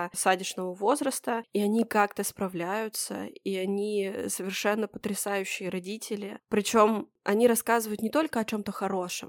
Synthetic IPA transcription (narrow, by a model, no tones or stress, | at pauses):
sadʲɪʂnəvəvo̞zɾəst̪əiɐnʲikakt̪əspɾɐvlʲæjʊt̪sə̰iɐnʲisəvʲɪrʂɛnːəpə̥t̪ɾʲɪsajʉɕːɪjəɾɐdʲitʲɪlʲɪpɾʲɪt͡ɕo̞m | ɐnʲiɾɐskazɨvəjʊt̪nʲɪt̪o̞lʲkəɐt͡ɕo̞mt̪əxɐɾo̞ʂɨ̰m